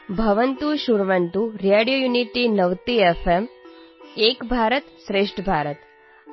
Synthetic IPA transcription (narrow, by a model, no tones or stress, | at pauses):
bʱɐʋənt̪uʃuɾʋənt̪uɾjeɽijojuniʈinɐʋt̪iefʰem | eːkbʱaːɾət̪sɾeːʂʈʰəbʱaːɾət̪